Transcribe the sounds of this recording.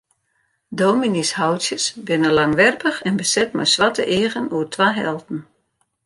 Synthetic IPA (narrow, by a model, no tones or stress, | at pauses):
doːminishawtsjəsbɪnəlaŋʋɛrpəxɛnbəsɛt̚mɛ̰jsʋatə̰ʔeːəɣənuərtʰʋaɦɛ̰lˠtn̩